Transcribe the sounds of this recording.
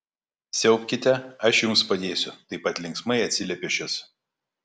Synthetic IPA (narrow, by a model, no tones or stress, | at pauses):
sʲɛʊpʲkʲɪt̪ʲɛɐʃjʊmspɐd̪ʲeːsʲʊt̪ɐɪpɐt̪ʲlʲɪŋksmɐɪɐt̪ʲsʲɪlʲɛpʲeʃʲɪs